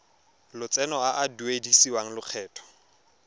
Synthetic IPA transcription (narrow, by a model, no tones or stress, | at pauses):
lʊt͡sʼɛnɔaʔaduedisiwaŋ̩lʊq͡χʰɛːtʼʰɔ̥